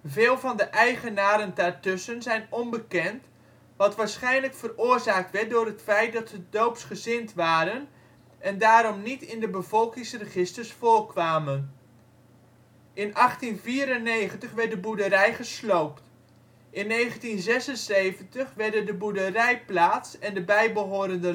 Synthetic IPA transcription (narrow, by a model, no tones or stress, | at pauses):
vɪːlˠvɑndəʔɛjχənaːɾəndaːɹtɵsənzɛjnɔmbəkɛnt | ʋɑtʋaːɹsχɛjnləkfərʊːɹzaːk̚tʋɛɹt̚dʊːɾɦətfɛjt̚dɑtsədowpsχəzɪntʋaːɾən | ɛndaːɾɔmnitɪndəbəvɔlˠkɪŋsrəχɪstəɹsfʊːrkʋaːmən | ʔɪnʔɑχtinviːɾənːejχəntəχʋɛɹt̚dəbudəɾɛjχəslowpt | ʔɪnːejχəntinzɛsənsejvəntəχʋɛɹdəndəbudərɛjplaːtsɛndəbɛjbəɦoːɾəndə